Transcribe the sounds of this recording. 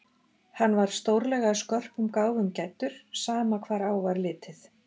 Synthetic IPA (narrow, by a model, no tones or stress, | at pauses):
hanːvaɾ̥st̪owɾlɛɣaskɔr̥pʏmkaːwvʏmcajt̪ʏɾ̥saːmakʰvaːɾaːwvaɾlɪːt̪ɪθ